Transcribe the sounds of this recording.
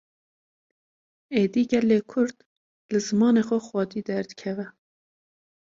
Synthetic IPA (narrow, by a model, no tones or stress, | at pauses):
eːd̪iːɡʲɛlːeːkʰʊɾd̪ | lɨzɨmɑːneːxʷɛxwɑd̪iːd̪ɛɾd̪ɨkʰɛvɛ